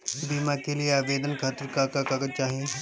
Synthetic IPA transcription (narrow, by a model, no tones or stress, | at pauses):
biːmãkelieaːʋeːd̪ənkʰaːt̪əɾkaːkakaɡət͡ʃaːɦiẽ